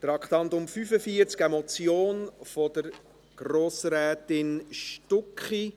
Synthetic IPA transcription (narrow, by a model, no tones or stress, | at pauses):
t̪ɾɑkχt̪ɑnt̪ʊmfyfəfiːəɾt͡skɛmɔt͡sjoːnfɔdəɾ | ɡ̥ɾoːsɾɛːt̪ɪnʃtʊkχi